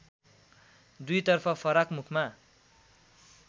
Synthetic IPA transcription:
d̪ujt̪ʌrpʰʌpʰʌɾʌkmukʰma

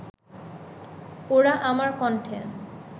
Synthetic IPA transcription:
oɾaʔamaɾkɔnʈʰḛn

